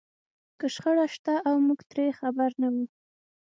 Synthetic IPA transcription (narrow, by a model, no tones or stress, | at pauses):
kəʃxəɽaʃt̪aʔawmuɡt̪ɾexabaɾnawu